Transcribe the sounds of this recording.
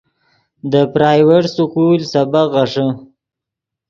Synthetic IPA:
d̪əpɾɑːjweʈsʊkulsabaɣaʂə

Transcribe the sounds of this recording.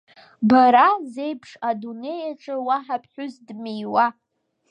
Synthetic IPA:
baɾaze̞jpʰʂadune̞jaʈ͡ʂʼɨwaħapʰʼħᶣʊzdmejwa

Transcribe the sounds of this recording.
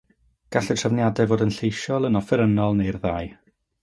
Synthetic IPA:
ɡ̥aɬɛtʰrəvnjadɛvoːdənɬejʃɔlˠənɔfɛɾənɔlˠnejrðaːɨj

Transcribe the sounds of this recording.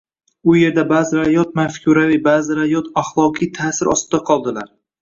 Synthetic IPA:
ʊje̞ɾd̪abaːzɪɾajɒt̪̚mafkʲʰuɾavibaːzɪɾajɒt̪aχlˠɒqʰijt̪ʰaːsɪɾʔɒ̰st̪ɪd̪aqʰɒlˠd̪ɪlaɾ

